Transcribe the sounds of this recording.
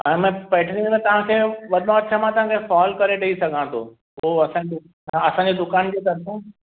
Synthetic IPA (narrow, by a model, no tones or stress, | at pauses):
ɛ̃ːmɛ̃pɛːʈʰnĩmẽt̪ɐʋ̤ãkʰeːʋɐd̪õɐt̪ːʃʰamãt̪ɐʋ̤ɦãkʰefɔːlkɐɾeɖɐisɐɡʱãt̪ʰo̰ | poɦɐsãe | ɐsãːɲd͡ʑed̪ʊkaːnd͡ʑeːt̪ɐɾsẽ